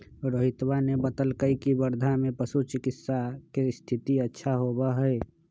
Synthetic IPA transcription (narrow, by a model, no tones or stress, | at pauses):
ɾoːɦɪt̪wanebət̪əlkəikibəɾd̪ʱamẽpəsut͡ʃɪkɪsːakest̪ʰɪt̪iətːʃʰaɦoːbaɦɛe